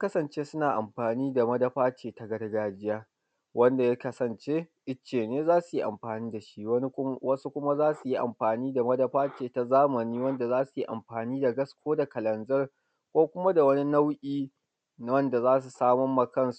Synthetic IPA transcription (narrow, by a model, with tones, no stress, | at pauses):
a˦kɐ˦sɐ˨nt͡ʃeː˦sʊ˦naː˨ʔa˨mɸaː˨niː˦da˨mɐ˦dɐ˦ɸaː˦t͡ʃeː˨ta˨ɡɐ˦dɐ˦ɡaː˦d͡ʒɪ˦jaː˦ | wʔɐ˦nda˨ja˦kɐ˦sɐ˨nt͡ʃeː˦ʔɪ˦t͡ʃːeː˨neː˦zaː˦su˨ji˦ʔa̰˨mɸaː˨niː˦da˨ʃi˦wɐ˦su˦kʷʊ˦ma˦zaː˦su˨ji˦ʔa̰˨mɸaː˨niː˦da˨mɐ˦dɐ˦ɸaː˦t͡ʃeː˨ta˨zaː˦mɐ˨niː˦wɐ˦nda˨zaː˦su˨ji˦ʔa̰˨mɸaː˨niː˦da˨ɡɐ˦skʷoː˦da˨kɐ˨lɐ˨nzɐ˦r | kʷoː˦kʷʊ˦ma˦da˨wɐ˦ni˦na˦wʔʲiː˦ | n˨wɐ˦nda˨zaː˦s̬u˨saː˦mɔ˦mːɐ˨kɐ˦nsu˨